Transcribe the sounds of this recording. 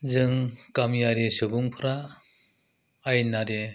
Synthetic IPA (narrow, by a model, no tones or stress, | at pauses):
zɯŋkamijaɾesɯɡuŋpʰɯɾa | jnaɾe